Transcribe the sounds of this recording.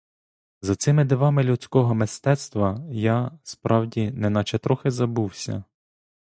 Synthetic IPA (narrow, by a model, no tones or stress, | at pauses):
zɐt̪sɪmɪd̪ɪʋɑmɪlʲut͡sʲkɔɦɔmɪst̪ɛt̪st̪ʋɐjɑspɾʔɑwdʲinɛnɑt͡ʃɛt̪ɾɔxɪzɐbuwsʲɐ̰